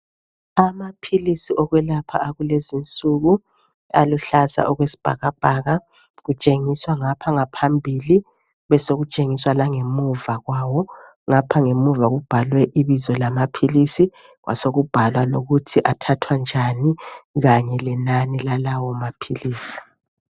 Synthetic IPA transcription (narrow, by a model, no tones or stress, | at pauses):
amapʰilisiɔɣwɛlapʰa̰ːɣulezint͡sʼuɣu | a̰luɬaza̰ʔɔɣwesi̥b̥ʱa̰ɣab̥ʱaɣa | ɣut͡ʃʼeŋiswaŋapʰaŋapʰambʱili | βɛsoɣut͡ʃʼeŋiswalaŋemuvaɣwawɔ | ŋapʰaŋemuvaɣub̥ʱalwɛʔiβizɔlamapʰilisi | ɣwʔa̰soɣub̥ʱalwaloɣutʰiʔatʰatʰwand͡ʒʱaniɣaɲɛlɛnanilalawɔmapʰiliːsi̥